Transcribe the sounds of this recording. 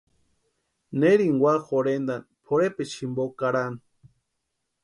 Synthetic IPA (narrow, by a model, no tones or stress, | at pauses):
neɾiŋwaxoɾend̪anpʰoɾepet͡ʃʰimbokaɾan